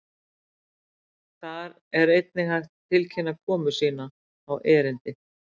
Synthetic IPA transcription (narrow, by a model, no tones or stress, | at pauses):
θaɾ | ɛɾejt̪nɪhajht̪ʰːɪlcʰɪnːakʰɔːmʏsiːnaː | wʔɛːɾɪnt̪ɪ